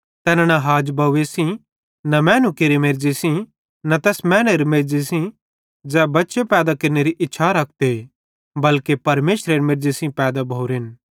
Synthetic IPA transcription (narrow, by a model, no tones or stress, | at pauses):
t̪ɛːnãnaɦaːd͡ʒbɐuesĩ | nɐmɛ̃ːnũkeɾemeɾd͡ʒesĩ | nɐt̪ɛːsmɛ̃ːneɾmeɾd͡ʒisĩ | d͡ʒɛːbɐtːʃepɛːd̪akɐɾneɾiʔɪtːʃʰaɾɐk̚ʰt̪e | bɐlkepɐɾmeːsɾeɾmeɾd͡ʒisĩpɛːd̪abʱouɾɪn